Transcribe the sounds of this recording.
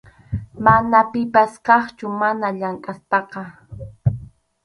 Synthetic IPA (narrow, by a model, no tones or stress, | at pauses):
manapɪpaskɑχt͡ʃʊmanaʎaŋkʼaspɑqɑ